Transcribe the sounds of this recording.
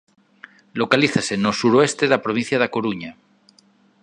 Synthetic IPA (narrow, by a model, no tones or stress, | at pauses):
lokaliθasenosuɾoest̪eðapɾoβ̞ĩn̟θjaðakoɾuɲa